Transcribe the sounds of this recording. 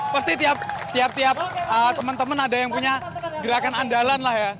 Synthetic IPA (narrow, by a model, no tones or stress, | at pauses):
parst̪it̪iap̚t̪iap̚t̪iap̚ət̪əmənt̪əmənadajaŋpuɲaɡəɾakanandalanlahja